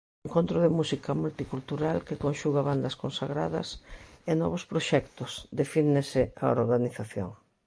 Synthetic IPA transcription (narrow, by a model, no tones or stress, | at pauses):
eŋkont̪ɾʊðɪmusikɐmult̪ikult̪uɾalkekonʃuɣaβand̪ɐskonsaɣɾa̰ðɐ̰senɔ̰βʊspɾoʃɛkt̪ʊsd̪efinɪsɪao̰ɾɣaniθaθjo̰ŋ